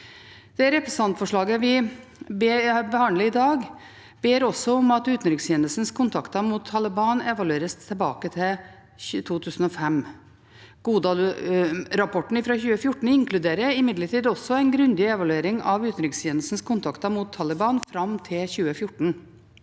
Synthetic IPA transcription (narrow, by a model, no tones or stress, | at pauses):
d̪̥ɛɾɛpɾɛs̩ɑnt̪fɔʂɭɑːɡəʋɪbebəhɑnd̪ləɾɪd̪ɑːɡ | b̥eːɾɔsːɔɔmɑt̪ʉːt̪n̩ɾɪksjeːnəlsən̩skʰʊnt̪ʰɑkt̪ɑmut̪ʰːɑlɪbɑːnɛʋɑlʉeːɾəst̪ʰɪlbɑ̰ːkət̪ʰɪl | t̪ʰuːt̪ʰʉːsn̩ɔfɛm | ɡ̥uːd̪ɑ | ɾɑpʰɔʈɳ̩ɪfɾɑçʉːəfjʊʈːɳ̩ɪŋkʰlʉd̪eːɾəɪmɪd̪ləʈiːd̪ɔsːɔɛɪnɡɾʉnd̪ɪɛʋɑlʉeːɾɪŋɑʋʉːt̪nɾɪksjeːnəlsn̩skʰʊnt̪ʰɑkt̪ɑmut̪ʰːɑlɪbɑːnfɾɑmt̪ʰɪlçʉːəfjʊʈːɳ̩